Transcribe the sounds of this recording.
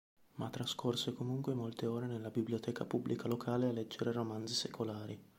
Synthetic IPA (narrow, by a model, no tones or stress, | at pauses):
mat̪ːɾaskʰorsekomuŋkwemolt̪eoːɾenelːabibljot̪ʰɛːka̰publʔikalokʰaːlealːɛd͡ʒːeɾeromand̪zisekʰolaːɾi